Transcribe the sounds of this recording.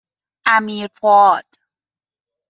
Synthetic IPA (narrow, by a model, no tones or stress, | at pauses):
ʔæmiːɾpʰɔːd̪̥